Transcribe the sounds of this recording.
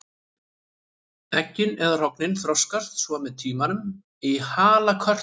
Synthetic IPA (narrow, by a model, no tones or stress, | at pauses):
ɛcːɪnɛðr̥ɔknɪnθɾɔwskar̥t̪svɔmɛðt̪ʰiːmanʏm | ihaːlakʰœr̥